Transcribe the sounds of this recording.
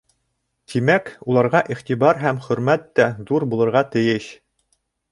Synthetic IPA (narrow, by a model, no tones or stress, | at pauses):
t̪ʰimækulˠɑɾʁɑʔiχt̪ibɑɾɦæmχɵ̆ɾmæt̪ːæðuɾbulˠɤ̆ɾʁɑt̪ɘ̆jɘɕ